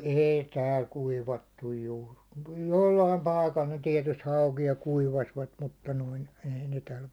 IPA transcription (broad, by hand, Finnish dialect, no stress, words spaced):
eˑi tæːl kuiʋɑtːuj juːr ku jolːɑim pɑi̞kɑl ne tiɛtyst hɑukijɑ kuiʋɑsʋɑt mutːɑ noin ei ne tæl